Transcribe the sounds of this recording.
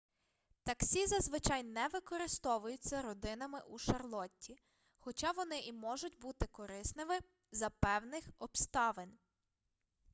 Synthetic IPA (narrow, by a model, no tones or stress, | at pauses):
t̪ɐksʲizɐzʋɪt͡ʃɑjnɛʋɪkɔɾɪst̪ɔʋʊjʊt͡sʲːɐɾɔd̪ɪnɐmɪʔuʃɐrlˠɔtʲːi | xɔt͡ʃɑʋɔnɪʔimɔʒʊtʲbut̪ɪkɔɾɪsnɪʋɪ | zɐpɛwnɪxɔbst̪ɑʋɪnʲ